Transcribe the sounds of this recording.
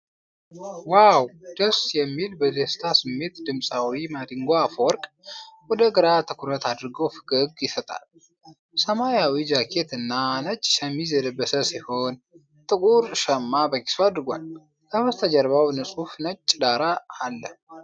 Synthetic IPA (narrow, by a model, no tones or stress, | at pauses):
wawd̪̥əsjɛmːilbəzest̪ʰasɨmːe̞t̪d̪ɨmsʼawimad̪ɨŋɡoafwɔɾkʼ | wɔd̪əɡɨɾat̪ʰɨkʰuɾət̪ʰad̪ɨɾɡofɨ̥ɡʼɨɡjɪsət̪ʼa̰l | səmajawid͡ʒakʰet̪ɨnːanət͡ʃʼːʃəmizɛd̪əbːəsəsiho̞n | t̪ʼɨkʼuɾʃəmːabəki̥sad̪ɾɨɡʷa̰l | kʰəwɔst̪ʰəd͡ʒəɾβawnɨsʼufnət͡ʃʼːd̪aɾaːlːə̰